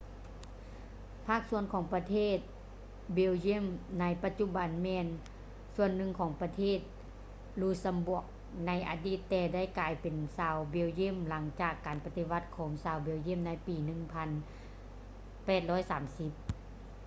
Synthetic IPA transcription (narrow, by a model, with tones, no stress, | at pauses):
pʰaː˥˩k̚su˧˥ənkʰɔː˨˩˦ŋpa˧t̪ʰeː˧˥˩t̪̚ | be˧˥˨wji˧˥˨mna˧˥jpa˧t̪̚t͡ɕu˧˥ba˨nmɛː˧n | su˧˨ənːɯ˧˨ŋkʰɔː˨˦ŋpa˧t̪ʰeː˥˩t̪̚ | luː˧˩sa˧mbu˧˩ək̚ | na˧˥jʔa̰ː˨˧diː˧˩t̪ːɛː˧˩da˥˩˨jkaː˨˧jpe˨nsaː˨˧wbi˧˨wje˧˥˨mla˨˦ŋt͡ɕaː˧˩kːaː˨˩npa˧t̪i˧ʋa˧t̪̚kʰɔː˨˦ŋsaː˨˧wbe˧˨wji˧˥˨mna˧˥jpiː˨nɯ˧˨ŋpʰa˧n | pɛː˨˩t̪̚lɔː˧˥˨jsaː˨˩˦msi˧˦p̚